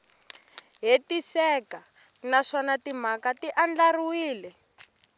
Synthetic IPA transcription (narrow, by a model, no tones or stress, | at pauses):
ɦetisɛka | naʂɔnatim̤akatiʔand͡ɮaruwiːlɛ